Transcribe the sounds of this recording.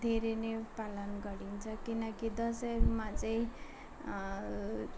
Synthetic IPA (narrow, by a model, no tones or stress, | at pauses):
d̪ʱeɾenepalʌnɡʌɾint͡sʰʌkinʌkid̪ʌsʌʌɾumat͡sʌĩ